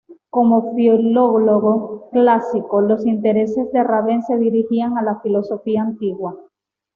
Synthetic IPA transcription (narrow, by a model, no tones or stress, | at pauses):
ko̞mo̞fjoloɣlo̞ɣoklasiko̞lo̞sint̪e̞ɾe̞se̞zðe̞raβe̞nse̞ð̞iɾihiaŋalafilo̞so̞fiaːnt̪iɣwa